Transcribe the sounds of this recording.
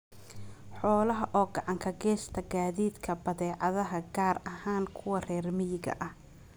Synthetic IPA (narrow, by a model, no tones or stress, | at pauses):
ħɔːlɐɦɐʔɔːɡɑʕɑŋkʰɐɡɛːst̪ʰɐɡaːðiːd̪kʰɐbɐðɛːʕɑðɐɦɐɡaːrɐhaːnkʰʊwɐrɛːrmɪjɪɣɐ̰ʔɐh